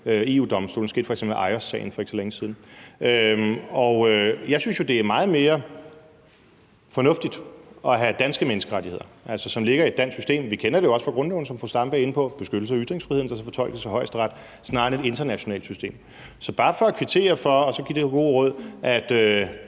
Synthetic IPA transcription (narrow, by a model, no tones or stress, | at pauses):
øe̝ːṵːd̥ɒ̽msd̥o̰ːln̩se̝ːd̥fɒ̽eɡ̥sḛmbl̩ʔɑ̈ɪɐsɛ̰ɪn̩fɒ̽eɡ̥sɒleŋəsiːð̞ˠn̩øɒøjɑ̈ɪsynsjo̝d̥e̝æɐmɑ̈ːð̩ˠme̝ːɐ | fɒ̽nɔ̽fd̥id̥ɒ̽ɦæd̥ænsɡ̥əmenəsɡ̥əʁaɾihe̝ð̰ˠɐʔælsɒsɒ̽mle̝ɡ̥ɐied̥ːæn̰sysd̥e̝̰ːmʋikʰenɐd̥e̝jo̝ɒ̽sfʁɑ̈ɡ̥ʁɔ̽nleʊn̩sɒ̽mfɒsd̥ɑ̈mb̥əe̝npʰɒ̽b̥e̝sɡ̥ød̥l̩səɒyd̥ʁeŋsfʁiheðˠn̩d̥ɑsɒfɒ̽t͡sʰɒ̽l̰ɡ̥ð̩ˠsɑɪɦɒ̽ɪsd̥ʁɑ̈d̥ | snɑ̈ːne̝de̝nd̥ɐnæɕo̝nɛ̰ːld̥sysd̥e̝̰ːm | sɒ̽b̥ɑ̈ːfɒ̽ækʰʋit͡sʰe̝̰ːɐfɒ̽ːsɒ̽ɡ̥ḭd̥e̝ɡ̥o̝̰ːʁɔ̽ð̰ˠʔæd̥ø